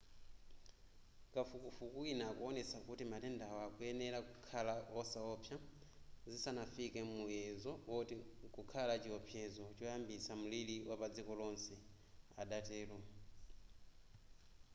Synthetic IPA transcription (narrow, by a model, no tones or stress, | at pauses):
kafukufukuinakuɔnɛsakutimatɛndawɔakujɛnɛɾakukʰalaɔsaɔpʰja | zisanafikɛmujɛzɔtkukʰalat͡ʃiɔpʰjɛzɔt͡ʃɔjambisamuliliwapad͡zikɔlɔnsɛ | a̰ɗatɛːlɔ